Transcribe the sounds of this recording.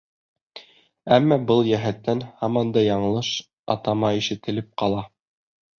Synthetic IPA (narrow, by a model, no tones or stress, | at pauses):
æmːɑbɤlˠjæɦæt̪ːænhɑmɑnd̪ɑjɑɴɤ̆lˠɤʃ | ɑ̰t̪ɑmɑiʃɘ̆t̪ɘ̆lɘp̚qɑlˠɑ